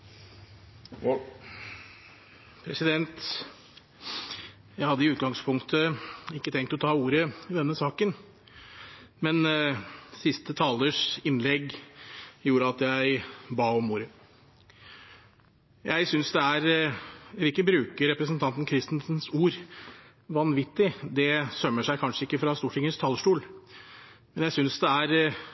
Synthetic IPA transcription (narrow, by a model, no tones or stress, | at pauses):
pʰɾɛsɪd̪ɛnt̪ | jæɪhɑd̪ːəɪʉːt̪ɡɑŋspʰʊŋkt̪əɪkːət̪ʰɛŋk̚t̪ɔt̪ʰɑːuːɾəɪd̪ɛnːəsɑːkən | mɛn | sɪst̪ət̪ʰɑːləʂɪnlɛɡ | juːɾəɑt̪jæɪbɑːɔmuːɾə | jʔæɪsʏnsd̪ɛæɾ | liːkəbɾʉːkəɾɛpɾəsnt̪ʰɑnt̪n̩kʰɾɪst̪nsnsuːɾ | ʋɑnʋɪt̪ːɪd̪ɛsœmːəʂæɪkʰɑnʂəɪkːəfɾɑst̪uːʈʰɪŋːəst̪ʰɑlʂʈuːl | mɛnjæɪsʏnsd̪ɛæɾ